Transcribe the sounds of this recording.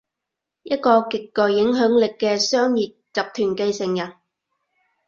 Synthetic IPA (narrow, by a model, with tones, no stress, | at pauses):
jɐ˦˥t̚kɔː˧kɪ˨kːœː˨˩jjɪ˨˥ŋɦœː˨˥ŋlɪ˨kːɛː˧sœː˥ŋjiː˨˩t̚t͡sɐ˨p̚t̪ʰyː˨˩nke˧jsɪ˨˩ŋjɐ˨˩n